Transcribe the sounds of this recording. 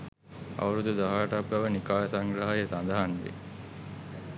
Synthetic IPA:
a̰ʋəɾud̪ud̪aɦaːʈapɡaʋənikaːjəsaŋɡɾaɦajəsand̪aɦanʋḛ

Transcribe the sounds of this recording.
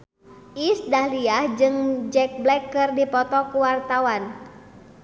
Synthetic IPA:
ʔisdahliahd͡ʒɨŋd͡ʒɛk̚blɛkːɨrdipɔt̪ɔkuwart̪awan

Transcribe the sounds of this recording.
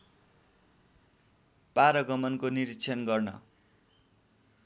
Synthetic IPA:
paɾʌɡʌmʌnkoniɾitt͡sʰʌnɡʌrnʌ̰

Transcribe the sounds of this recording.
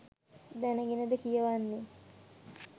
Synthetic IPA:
d̪ænəɡenəd̪əkijəʋanːe

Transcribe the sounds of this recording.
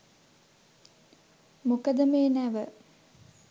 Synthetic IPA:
mukəd̪əmeːnæʋə

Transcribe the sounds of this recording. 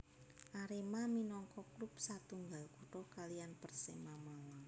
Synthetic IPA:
ʔaɾemaminɔŋkɔklupsat̪uŋɡalkuʈɔkalijanpərsemamawaŋ

